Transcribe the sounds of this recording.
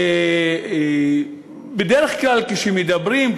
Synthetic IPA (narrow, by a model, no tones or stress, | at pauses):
e | bed̪eʁeχklalkeʃemed̪abʁim